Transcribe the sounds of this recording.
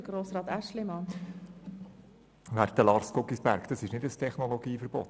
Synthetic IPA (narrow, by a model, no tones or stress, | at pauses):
əɡ̥ɾoːsɾɑːt̪æʃlɪmɑn | ʋæɾt̪əlɑːɾskʊkisbæɾkd̥̪ɑsɪʃnɪdəstʰɛχnɔloɡiːfəɾb̥ɔ̰t